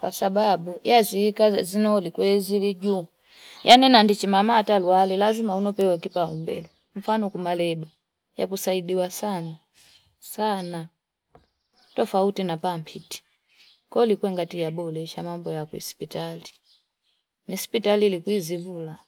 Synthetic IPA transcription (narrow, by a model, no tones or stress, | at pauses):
kwasababujaziːkazinɔlikwɛzilid͡ʒu | jʔanɛnandit͡ʃimamatalwalilazimaunɔpɛwɛkipaumbɛlɔ | ɱ̩fanɔkumalɛba | ja̰kusaidiwasana | sana | tɔfautinapampʰiti̥ | kɔlikwɛŋɡatijabɔlɛʃamambɔjakwḭspitali | nisi̥pitalilikwizivula